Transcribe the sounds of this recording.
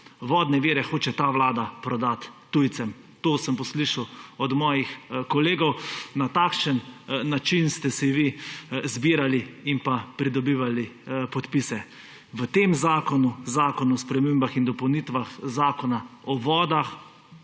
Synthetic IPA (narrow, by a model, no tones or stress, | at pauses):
ʋɔːd̪nɛʋiːɾɛxoːt͡ʃɛt̪aʋlaːd̪apɾɔd̪at̪ːujt̪sɛm | t̪oːsəmpɔsliʃawɔd̪mɔːjixkɔleːɡɔwnat̪akʃənːat͡ʃinst̪ɛsiʋizbiːɾaliimpapɾid̪ɔbiːʋalipɔt̪piːsɛ | ʋət̪emzaːkɔnuzaːkɔnuɔspɾɛmeːmbaxind̪ɔpɔwnit̪ʋaxzaːkɔnaɔʋɔːd̪ax